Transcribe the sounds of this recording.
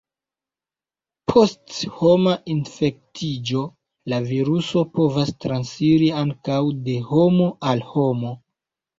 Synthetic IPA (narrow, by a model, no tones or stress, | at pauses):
pʰo̞stho̞maʔinfe̞k̚tʰid͡ʒo̞ | laviɾuso̞po̞vastɾansfiɾiaŋkawde̞ho̞mo̞alho̞mo̞